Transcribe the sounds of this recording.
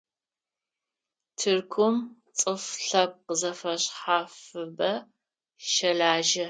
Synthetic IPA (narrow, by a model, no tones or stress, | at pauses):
tʰɨrkʷʰʊm | t͡sʼɨfɬɐp̚qəzɐfɐɕħaːfɨbɐ | ʃɐɮaːʒɐ